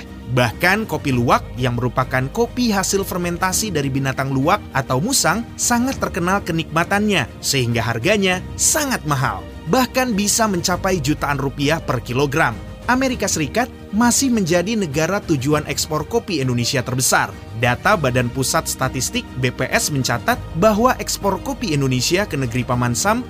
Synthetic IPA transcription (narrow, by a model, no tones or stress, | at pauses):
bahkankopiluak̚jaŋməɾupakankopiɦasɪlfərmɛnt̪asidaɾibinat̪aŋluak̚ʔat̪awmusaŋsaŋat̪ːərkənalkənik̚mat̪anɲasəɦiŋɡaɦarɡaɲasaŋat̪̚maɦa̰l | bahkanbisaməɲt͡ʃapajd͡ʒut̪aːnrupiahpərkiloɡɾam | ʔameɾikasəɾikat̪̚masɪhməɲd͡ʒadinəɡaɾat̪ud͡ʒuanʔɛkspɔrkopiɛndonesiat̪ərbəsar | dat̪abadanpusat̪̚st̪at̪ist̪ɪk̚bepeʔɛsməɲt͡ʃat̪at̪̚baɦwaʔɛkspɔrkopiindonesiakənəɡəɾipamansam